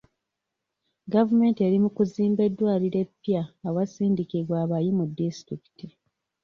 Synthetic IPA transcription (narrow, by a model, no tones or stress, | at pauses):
ɡavume̞ːntie̞ɾimukuziːmbe̞dːwaːliɾe̞pːjaːwasiːndikiβwaːβajimudːistɾiki̥ti